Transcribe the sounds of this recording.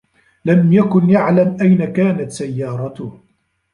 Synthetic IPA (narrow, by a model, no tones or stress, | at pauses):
lamjakʊnjaʕlamʔajnakaːnat̪sajːɑːɾˤɑt̪ʊh